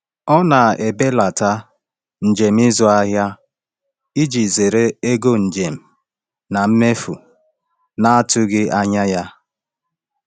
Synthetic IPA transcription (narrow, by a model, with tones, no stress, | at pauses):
ɔ˦na˨e˨be˦la˨ta˦ | n̩˨d͡ʒe˨m̩˦i˦zɔ˨a˦ɦja˦ | i˦d͡ʒi˨ze˨ɾe˦e˦ɡo˦n̩˨d͡ʒe˨m̩˨ | na˨m̩˦me˦fu˨ | na˦a˦tʊ˦ɡɪ˦ʔa˦ɲa˦ja˦